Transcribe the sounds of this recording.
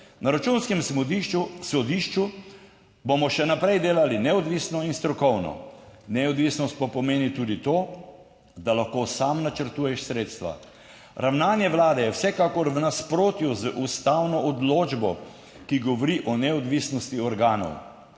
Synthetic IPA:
naɾat͡ʃunskɛm | sɔd̪iʃt͡ʃu | bomɔʃɛnapɾɛjd̪eːlalinɛɔd̪ʋisnɔinst̪ɾɔkɔwnɔ̰nɛɔd̪ʋiːsnɔst̪̚papɔmeːnit̪uːd̪it̪oː | d̪alaxkosamnat͡ʃəɾt̪uːjɛʃsɾeːt̪st̪ʋa̰ | ɾawnaːnjɛʋlaːd̪ɛjɛwsɛkakɔɾwnaspɾoːt̪juzʔust̪awnɔʔɔd̪loːd͡ʒbɔ | kiɡɔʋɔɾiʔɔnɛɔd̪ʋisnɔst̪iɔɾɡaːnɔ̰w

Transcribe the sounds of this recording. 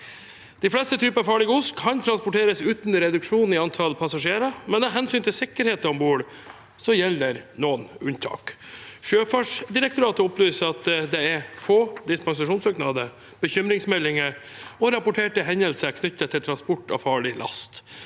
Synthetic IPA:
d̪̥ɪflɛst̪ət̪ʰyːpənɑʋfɑːɭɪɡəʊskʰːɑnt̪ʰɾɑnspʊʈʰeːɾəsʉːt̪nɾɛd̪ʉkʂuːn̩ɪɑnt̪ʰɑlpʰɑsɑʂeːɾəmɛnɛɦɛnsyːnt̪ʰɪlsɪkːəɾheːt̪ɔmbuːɽ | sɔjɛlːəɾnoːnʉnt̪ʰɑ̰ːkʃøːfɑʂd̪ɪɾɛkt̪ʊɾɑːt̪əɔplyːsəɾɑt̪d̪ɛɛɾfoːd̪ɪspɑŋs̬ɑʂuːnsøːknɑd̪ə | b̥əçʏmɾɪŋsmɛlːɪŋəɔɾɑpʊʈʰeːʈəɦɛɲəlsəkʰnʏt̪ːət̪ʰːɪlt̪ʰɾɑnspɔʈːɑ̰ʋfɑːɭɪlʔɑ̰st̪

